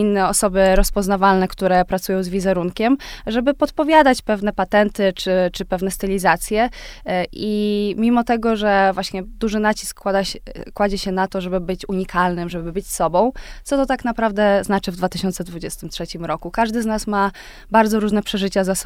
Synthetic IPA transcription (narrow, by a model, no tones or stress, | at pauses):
inːɛɔsɔbɘɾɔspɔznavalnɛkt̪uɾɛpɾat̪sujɔ̃w̃zvʲizɛɾuŋkʲɛmʐɛbɘpɔt̪pɔvʲjad̪at͡ɕpɛvnɛpat̪ɛnt̪ɘt͡ʂɘt͡ʂɘpɛvnɛst̪ɘlʲizat̪sʲjɛ | imʲimɔt̪ɛɡɔʐɛvwaɕɲɛd̪uʐɘnat͡ɕi̥skːw̪akːwad͡ʑɛɕɛnat̪ɔʐɛbɘbɘt͡ɕuɲikʰalnɘmʐɛbɘbɘt͡ɕsɔbɔ̃w̃tsɔt̪ɔt̪aknapɾavd̪ɛznat͡ʂɘvd̪vat̪ɘɕɔnt̪sɛd̪vud͡ʑɛst̪ɘmtʂɛt͡ɕimɾɔkukaʐd̪ɘznasma | baɾd̪zɔɾuʐnɛpʂɛʐɘt͡ɕazas